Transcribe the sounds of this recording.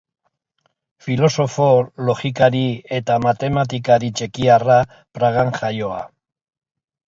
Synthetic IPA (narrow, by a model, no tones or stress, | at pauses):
filo̞so̞fo̞lo̞xikaɾie̞t̪amat̪e̞mat̪̬ikaɾit͡ʃe̞kiara | pɾaɣ̞aŋʝajo̞a̰